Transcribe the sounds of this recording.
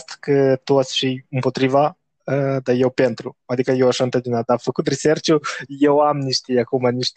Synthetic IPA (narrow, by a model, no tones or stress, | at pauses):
st̪kət̪uat̪sʲfiɨmpo̞t̪ɾiva | əd̪ajewpe̞nt̪ɾuad̪ikəjewaʃant̪əd͡ʒ̪inat̪̚afəkut̪risert͡ʃuje̞wamniʃt̪iakumaniʃt̪